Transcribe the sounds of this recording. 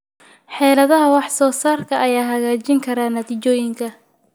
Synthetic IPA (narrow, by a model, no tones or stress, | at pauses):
ħɛːlɐðɐɦɐwɑħsɔːsaːrkʰɐʔɐjaːɦɐɣaːt͡ʃɪŋkʰɐɾaːnɐt̪ʰiːt͡ʃɔːjɪŋkʰɐ